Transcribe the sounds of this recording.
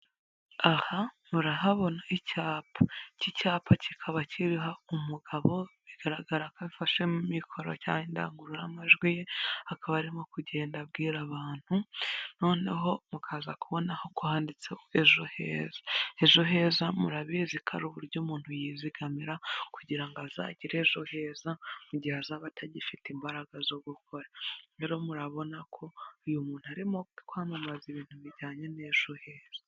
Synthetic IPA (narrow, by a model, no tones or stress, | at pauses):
ahamuɾaɦaβo̞naicaːpʰacicaːpʰacʰikʰaβaciɾiɦaumuɡ̥aβo̞βiɡ̥aɾaɡaɾakaβifaʃemumikʰo̞ɾo̰ca̰ːɲinda̰ːŋɡuɾuɾamaʒɡwijehakʰaβaɾimo̞kuɟe̞ːndab̚ɡiːɾaβaːn̥huno̞ːne̞ɦo̞mukʰazakuβo̞naho̞kuhaːndit͡seeʒo̞hḛːzḁe̞ʒo̞ɦe̞ːzamuɾaβizikʰa̰ɾuβuɾɟomuːn̥hujiːziɡ̥amiɾakuɟiɾaŋɡaza̰ːɟiɾe̞ʒohe̞ːzamuɟihazaːβatʰaɟifitimbaɾaɡazo̞ɡukʰo̞ɾaɾe̞ːɾo̞muɾaβo̞nakʰo̞ujumuːn̥uaɾimo̞kwaːmamaziβiːn̥huβiɾɟaːɲe̞ne̞ʒ̥ohe̞ːz̥ḁ